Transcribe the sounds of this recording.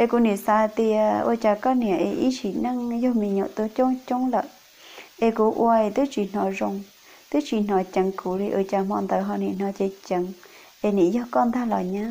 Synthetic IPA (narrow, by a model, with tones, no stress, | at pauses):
e˧ku˧nĩ˨sa˧t̪i˧a˧o̰˧˦t͡ʃa˧kɔ˦nĩ˧˨ã˨ʔḛ˧ʔi˦ʃi˨nã˦ŋjo˦mĩ˧ɲõ˧˨ʔt̪u˧t͡ʃo˦t͡ʃo˦ŋlə˧˨ | e˧ku˧ʔw̰a˧e˧t̪u˦t͡ʃi˨n̥ɔ̃˧ʐo˧ŋ | t̪u˦t͡ʃi˨n̥ɔ̃˧t͡ʃə˧ŋkʰu˨ɾi˧ʔo˧˨t͡ʃa˧mɔ̃˧nd̪ə˧˨ɦɔ˧nĩ˨n̥ɔ̃˧t̪e˧t͡ʃə˧ŋ | e˧nĩ˨jo˦kɔ˦nd̪a˦la˨ɲã˦